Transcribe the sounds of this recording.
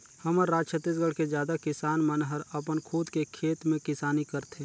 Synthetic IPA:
hɐməɾːaːd͡ʒt͡ʃʰət̪ːis̬ɡəɽkezjaːd̪akɪsaːnmənɦəɾɐpənkʰuːd̪kekʰeːt̪mẽkɪsaːnikəɾt̪ʰe

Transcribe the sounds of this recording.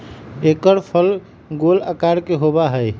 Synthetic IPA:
ekəɾpʰəl | ɡoləkaɾkeɦobaɦəj

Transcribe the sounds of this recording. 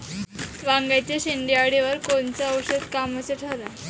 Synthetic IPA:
ʋaŋɡajt͡ɕaɕiɳɖiaɽiʋəɾkont͡saəwɕəd̪kaməseʈʰəɾa

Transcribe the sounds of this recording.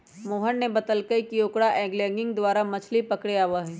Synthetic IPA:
moːɦənːebɐt̪əlkəikioːkɽaʔɛ̃ːɡlɛ̃ːŋɡɪ̃ŋɡd̪waːɾamɐt͡ʃʰlipɐkɽeaːʋaɦɛ̃ː

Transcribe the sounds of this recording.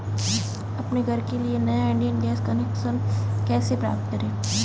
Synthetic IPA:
ɐpneɡʱɐɾkelienɐjaɪ̃ɳɖijənɖeːskɐnekʃənkɛːsepɾa̰ːp̚t̪kɐɾẽː

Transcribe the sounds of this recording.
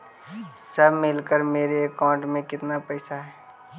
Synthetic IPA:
səbʱmɪlkəɾmeːɾeːkãːʊ̃ɳʈmẽkɪt̪napəɪsaɦɛː

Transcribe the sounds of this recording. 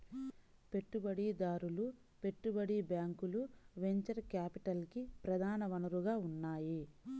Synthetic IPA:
pe̞ʈːubɐɽid̪aːɾulu | pe̞ʈːubɐɽibjaːŋkuluʋe̞ɲt͡ʃɐɾkaːpiʈɐlkipɾɐd̪ʱaːnɐʋɐnuɾuɡaːunːaːji

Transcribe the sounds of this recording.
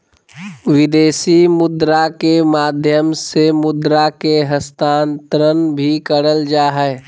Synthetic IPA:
wɪd̪eːsimʊd̪ɾakemaːd̪ʱjəmsemʊd̪ɾakeɦəst̪aːnt̪əɾənbʱikəɽəld͡ʒaːɦɛ

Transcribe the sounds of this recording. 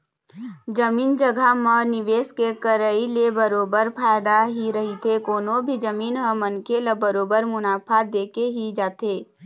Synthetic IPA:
d͡ʒɐmiːnd͡ʒəɡʱamənɪʋeːskekəɾəilebəɾoːbəɾpʰaːjd̪aɦiɾɐɦit̪ʰekoːnõbʱid͡ʒəmiːnɦəmənkeləbəɾoːbəɾmʊnaːpʰad̪eːkeɦid͡ʒaːt̪eː

